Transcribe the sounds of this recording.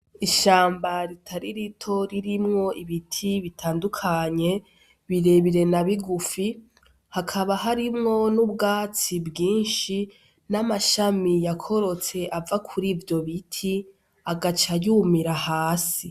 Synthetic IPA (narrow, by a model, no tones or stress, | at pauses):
iʃaːmbaɾitʰaɾiɾitʰo̞ɾiɾimŋo̞ʔiβitʰiβitʰaːndukʰaɲe̞ | βiɾe̞βiɾe̞naβiɡufi | hakʰaβaɦaɾimŋo̞nub̚ɡaːt͡sibɡiːnʃi | namaʃamijakʰo̞ɾo̞t͡se̞ʔavakʰuɾiːvjo̞βitʰi | aɡat͡ʃajuːmiɾahaːsi